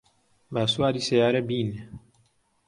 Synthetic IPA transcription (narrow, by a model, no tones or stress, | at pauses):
basuadisɛjaɾɛbiːnɛ